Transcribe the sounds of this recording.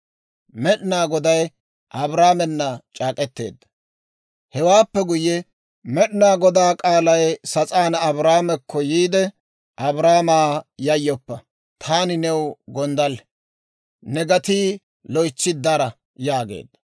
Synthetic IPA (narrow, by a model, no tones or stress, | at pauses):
mɛɗnaːɡɔd̪ɐj | ʔɐbɾaːmɛnːɐt͡ʃʼaːkʼɛt̪ːe̞̰ːd̪ːɐ̥ | hɛwaːpːɛɡʊjːɛ | mɛɗnaːɡɔd̪aːkʼaːlɐjsɐt͡sʼaːnɐbɾaːmɛkʰːɔjiːd̪ɛ | ʔɐbɾaːmaːjɐjːɔpːɐ | t̪ʰaːnɪnɛwɡɔnd̪ɐl | nɛɡɐt̪iː | lɔjt͡ʃːɪd̪ːɐɾɐ | jaːɡḛːd̪ːɐ̥